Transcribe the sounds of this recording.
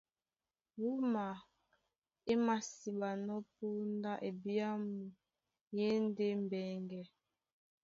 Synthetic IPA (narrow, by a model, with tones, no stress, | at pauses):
wu˦ma˨ | e˦ma˨si˨ba˨nɔ˦pu˦n˦da˦ʔe˨bi˦a˦mu˨ | je˦n˦de˦m̩˨bɛ˨ŋɡɛ˨